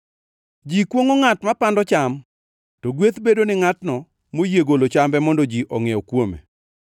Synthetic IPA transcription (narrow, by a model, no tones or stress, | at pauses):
d͡ʒikwoŋoŋatmapandɔt͡ʃam | toɡwet̪bedonɪŋatnɔ | mojeɡolot͡ʃambɛmɔndɔd͡ʒiʔɔŋeɔkwomḛ